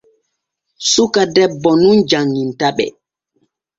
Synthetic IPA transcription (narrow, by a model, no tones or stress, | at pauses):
sukadɛbːɔnund͡ʒaŋːintaɓɛ̰